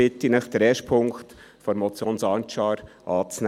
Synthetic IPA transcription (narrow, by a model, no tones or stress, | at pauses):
ɪt̪ːinəχt̪ɾɛʃpʰʊŋkt̪ | fɔɾmɔt͡sjoːnsɑnt͡ʃɑːɾʔɑːt͡sn